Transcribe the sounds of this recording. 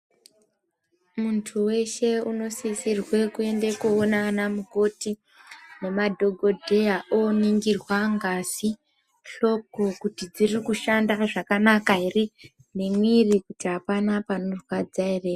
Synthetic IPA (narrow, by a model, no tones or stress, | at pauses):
muntʰuwe̞ʃe̞uno̞sisirwe̞kue̞nde̞kuonanamuko̞ti | ne̞madʱo̞ɡʱo̞dʱe̞jaʔoniŋɡirwaŋɡasi | ɬo̞p̚kokutid͡zirikuʃandaʐakanakaɦiri | ne̞mwirikutiɦapanapanorwad͡zairea